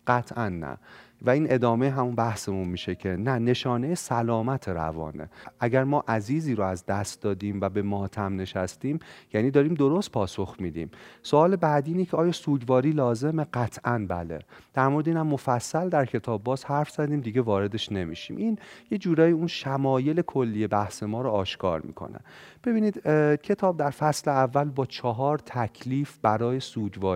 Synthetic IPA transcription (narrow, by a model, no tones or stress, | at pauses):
ɢ̥æt̪ʰʔænːæ̰ | væiːnʔe̞d̪ɒːmeɦæmunbæhse̞munmiːʃecʰenæne̞ʃɒːne̞jesælɒːmæt̪ʰe̞ɾæ̰vɒ̰ːne̞̰ʔæɟæɾmɒːʔæziːziːɾoæzd̪æst̪̚d̪ɒːd̪iːmvæbe̞mɒːt̪ʰæmne̞ʃæst̪iːmjæniːd̪ɒːɾiːmd̪o̞ɾost̪̚pʰɒːso̞xmiːd̪ḭːmsoɒːle̞bæːd̪iːnecʰeɒːjɒːsuːɟvɒːɾiːlɒːze̞me̞ɢæt̪ʰʔænbæle̞̰d̪̥æɾmoɾed̪eiːnæmːofæsːæld̪æɾcʰe̞t̪ʰɒːbːɒːzhæɾfz̥æd̪iːmd̪iɟevɒːɾe̞d̪e̞ʃne̞mḭʃḭːmʔinje̞d͡ʒuːɾɒːjiunʃæmɒːje̞le̞kʰo̞lːiːje̞bæhse̞mɒːɾoɒːʃkʰɒ̰ːɾmḭkʰo̞̰næ̰nb̥e̞biːniːd̪̥cʰe̞t̪ʰɒːb̚d̪æɾfæsleævːælbɒːt͡ʃʰɒɦɒːɾt̪ʰæcʰliːfb̥æɾɒːje̞suːd͡ʒvɒːɾi